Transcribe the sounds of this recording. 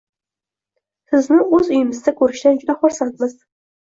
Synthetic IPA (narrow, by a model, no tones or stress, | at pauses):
sɪznɪɵzʊjɪmɪzd̪akʰɵɾɪʃd̪and͡ʒʊd̪aχʊɾsant̪mɪz̥